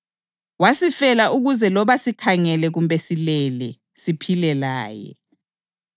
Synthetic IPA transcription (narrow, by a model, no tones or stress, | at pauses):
wasifɛlaʔuɣuzɛlɔβasikʰaŋɛlɛɣumbʱɛsilɛlɛ | sipʰilɛlaːjɛ̰